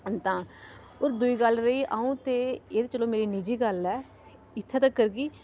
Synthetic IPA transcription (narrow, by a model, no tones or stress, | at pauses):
ənt̪ãː | oːɾd̪ʊiːɡəlɾəiːʔaːũːt̪eːeːd̪eːt͡ʃəlõːmeːɾiːnid͡ʒiːɡəlɛː | ɪt̪ʰːẽːt̪akːəɾɡiː